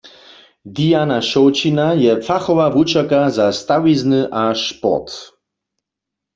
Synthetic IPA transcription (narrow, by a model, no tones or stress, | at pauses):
d̪ijanaʃɔwt͡ʃinajɛfaxɔvavut͡ʃakazast̪awiznɨʔaʃpɔ̰t̪